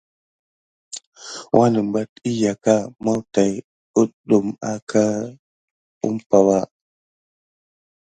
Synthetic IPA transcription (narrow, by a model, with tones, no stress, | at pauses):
wʔa˦nə˨m˨ba˦ti˦ja˨ka˦ma˦wta˨j | u˦tɗu˨ma̰˦kʰa˦ | ṵ˦mpa˨wa˦